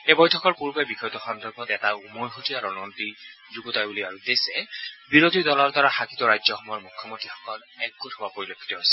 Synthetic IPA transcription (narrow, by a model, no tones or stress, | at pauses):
ebɔjtʰɔkɔɹkuɹubajbixɔjtɔxɔndɔɹbʱɔtɛtaumɔjxotiaɹɔnɔnti | zuɡutajbuliaɹud̪esɛbiɹotidɔlɔɹt̪ɔɹaxakitɔɹajzɔxɔmɔjɔɹmukʰːɔmontɹixɔ̥kɔnɛk̚ɡothowapoɹilokʰːi̥tɔɦojsɛ